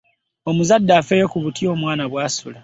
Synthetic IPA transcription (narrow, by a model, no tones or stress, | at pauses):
o̞muzadːaːfejokuβutjo̞ːmwaːnaβwaːsula